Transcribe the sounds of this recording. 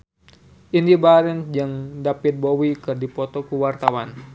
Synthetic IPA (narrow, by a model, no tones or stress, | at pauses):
ʔindibaɾɛnd͡ʒaŋdapit̪̚bowikɨrdipɔt̪ɔkuwart̪awan